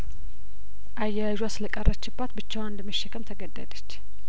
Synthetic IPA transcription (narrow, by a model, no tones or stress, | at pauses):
ʔajːaʒasləkʼərːʔət͡ʃːɪbːat̪bɨt͡ʃːawənd̪əmːəʃːɛkʰəmt̪ʰəɡəd̪ːəd̪ət͡ʃː